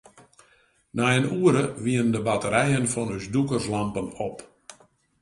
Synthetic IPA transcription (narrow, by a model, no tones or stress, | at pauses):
naənuəɾəʋiəndəbatəɾɛjənfɔnysdukərslampənop